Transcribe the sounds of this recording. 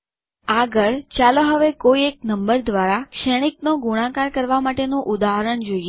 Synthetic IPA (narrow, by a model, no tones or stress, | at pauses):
aɡəɭt͡ʃaloɦəʋekoiek̚nəmbəɾd̪ʋaɾakʃəɽ̃iknoɡuɽ̃ãkaɾkəɾʋamaʈenũʔud̪aɦəɾəɳd͡ʒoie